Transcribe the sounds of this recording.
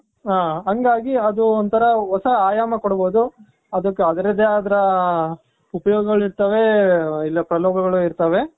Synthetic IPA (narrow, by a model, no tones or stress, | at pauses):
ɦaːɦɐŋɡaːɡiɐd̪uont̪ʰɐɾɐɦɔsɐaːjaːmɐkoɽboːd̪u | ɐd̪ɐkːeɐd̪ɐɾɐd̪eaːd̪ɐɾɐ | upɐjoːɡɐɡɐɭiɾt̪ɐʋe̞ilːɐpɾɐloːɡɐɡɐɭuiɾt̪ɐʋe̞